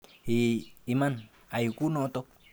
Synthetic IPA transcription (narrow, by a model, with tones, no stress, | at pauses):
ii˨man | a˨ju˨ku˦noʔt̪o˦k̚